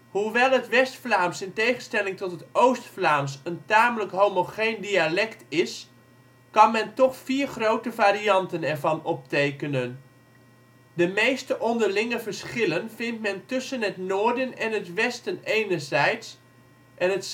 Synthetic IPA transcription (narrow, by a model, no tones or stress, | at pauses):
huʋɛlˠɦətʋɛstflaːmsɪntejχənstɛlɪŋtɔtɦətowstflaːmsəntaːmələkɦowmoχendialɛktɪs | kɑnmɛntɔχfiːɹχrowtəvaːɾiɑntənɛɹvɑnɔp̚tejkənən | dəmejstəʔɔndəɹlɪŋəvəɹsχɪlənvɪntmɛntɵsənɦətnʊːɹdənɛnɦətʋɛstənejnəɹzɛjts | ʔɛnət